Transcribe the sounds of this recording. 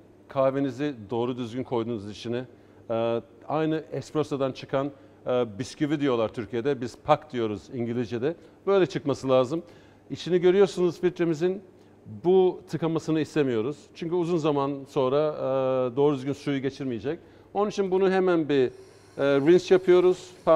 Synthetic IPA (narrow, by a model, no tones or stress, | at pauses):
kʰaːvenizɪd̪o̞ːɾud̪yzɡʲynkʰo̞jd̪uːnuzit͡ʃʰinɪ | ajnɯʔɛspɾosad̪ant͡ʃʰɯkʰanː | biscyvid̪ijo̞lˠaɾt̪ʰyɾcʰije̞d̪ɛbiz̥pʰakd̪̥ijo̞ɾuziɲɟilʲiʒɛd̪ɛ | bø̞jlʲɛt͡ʃʰɯkmasɯlʲaːzɯm | it͡ʃʰiniɟø̞ɾyjo̞ɾsunuzfilʲt̪ɾemizin | but̪ʰɯkamasɯnɯist̪e̞mijo̞ɾuz̥t͡ʃʰyɲcyuzunzamanso̞nɾad̪o̞ːɾud̪yzɟynsujuɟe̞t͡ʃʰiɾmijed͡ʒɛc̚ | o̞nunit͡ʃʰinbunuɦemænbi | ɾint͡ʃjapʰɯjo̞ɾuz̥pa